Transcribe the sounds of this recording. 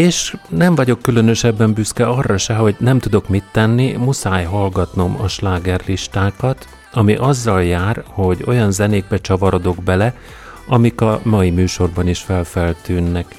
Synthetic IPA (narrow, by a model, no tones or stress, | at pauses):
eːʃnɛɱvɒɟo̞kːylø̞nø̞ʃɛbːɛmbyskɛɒrːɒʃɛɦo̞ɟnɛmt̪ud̪o̞kmit̪ːɛnːimusaːjɦɒlɡɒt̪no̞mɒ̰ʃlaːɡɛrliʃt̪aːkɒt̪ | ɒmiʔɒzːɒljaːrho̞ɟo̞jɒnzɛneːɡ̚bɛt͡ʃɒvɒɾo̞d̪o̞ɡbɛlɛ | ɒmikɒmɒimyːʃo̞rbɒniʃfɛlfɛlt̪yːnːɛk